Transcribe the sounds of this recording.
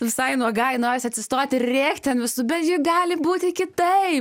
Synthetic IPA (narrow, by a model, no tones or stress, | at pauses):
ʋʲɪsɐɪnuɔɡɐjnoːɾʲɪsʲɪɐt̪ʲsʲɪst̪oːt̪ʲɪrrʲeːkt̪ʲt̪ʲɛnʋʲɪsʊbʲɛt̪jɪɡɑːlʲɪbuːt̪ʲɪkʲɪt̪ɐɪp